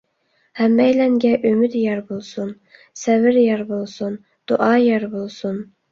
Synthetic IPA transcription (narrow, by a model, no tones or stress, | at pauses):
hæmːɛjlɛŋɡʲɛʔømyd̪jɛɾbolˠsun | sævɪɾjɛɾbolˠsun | d̪̥uʔɑːjɑɾbolˠsun